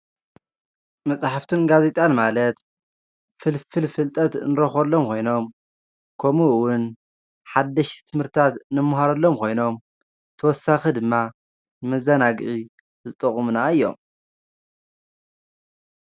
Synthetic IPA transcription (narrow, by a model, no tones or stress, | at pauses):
mɐt͡sʼaħaft̪ʰunɡaze̞t̪ʼanmalɐt̪ | fɨlfɨlfɨlt̪ʼɐt̪nɨɾɐxɐlːomkʰo̞jno̞m | kʰomuwʊn | ħad̪ːɐʃt̪ʰɨmhɨɾt̪ʰat̪nɨmːɐɦaɾɐlːo̞mkʰo̞jno̞m | t̪ʰɐwɔsːaxid̪ɨmːa | nɨmɐzɐnaɡʔi | zɨt̪ʼɨχʼumunaɨjːo̞̰m